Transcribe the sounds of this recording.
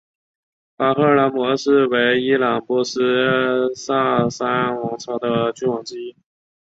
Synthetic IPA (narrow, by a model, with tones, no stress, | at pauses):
pa˥xɤ˥˩˥la˧˥nmwɔ˧˥ʂɻ̩˥˩we˧˥ɪi˥lɑ˨˩ŋpwɔ˧˥ʂ̩˥sa˥˩sa˥n˥nwɑ˧˥ŋt͡sʰɑ˧˥ʊd̪ə˧t͡ɕy˥˩wɑ˨˩ŋʈ͡ʂɻ̩˥i˥